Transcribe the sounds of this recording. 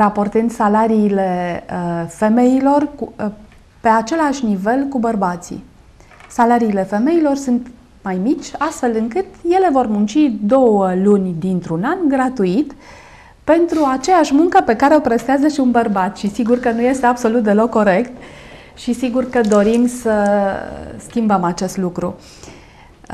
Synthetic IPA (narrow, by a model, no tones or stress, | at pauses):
rapo̞rt̪ɨnd̪salaɾiːle̞əfe̞me̞ilo̞rku | pe̞at͡ʃe̞laʃʲnive̞lkubərbat̪sḭ | salaɾiːle̞fe̞me̞ilo̞rsunt̪ | majmit͡ʃʲast̪fe̞lɨŋkɨt̪je̞le̞vo̞rmunt͡ʃid̪o̞wəlunʲd̪int̪ɾunanɡɾat̪uit̪ | pe̞nt̪ɾuat͡ʃe̞jaʃmuŋkəpe̞kaɾeopɾest̪eazəʃiunbərbat̪ʃisiɡurkənuje̞st̪e̞abso̞lut̪̚d̪e̞lo̞kːo̞ɾe̞kt̪ | ʃisiɡurkəd̪o̞ɾimsə | skʲimbəmat͡ʃe̞st̪lukɾu